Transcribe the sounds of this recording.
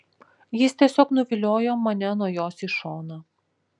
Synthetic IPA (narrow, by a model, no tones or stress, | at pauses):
jɪst̪ʲiɛsʲoːknʊʋʲɪlʲoːjoːmɐnʲɛnuɔjoːsiˑʃoːnɐ